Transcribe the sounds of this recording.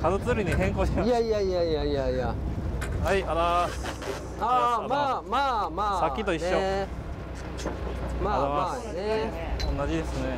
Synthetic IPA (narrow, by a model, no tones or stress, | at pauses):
kazɯt͡sɨɾiɲ̟iɦẽ̞ŋkoɕimaaiaijaiaiaia | haiaɾa | amaːmaːmaːsakʲːit̪o̞iɕːo | maaaneõnːad͡ʑid̪e̞sɨne̞